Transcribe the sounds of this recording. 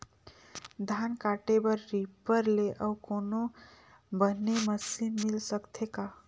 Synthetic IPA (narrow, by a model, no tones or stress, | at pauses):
d̪ʱankaʈebəɾːipəɾleʔəukono | bənːeməsinmilsəkt̪ʰeka